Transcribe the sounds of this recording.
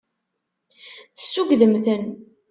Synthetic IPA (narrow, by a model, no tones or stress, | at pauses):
θə̥sːuɡðəmθən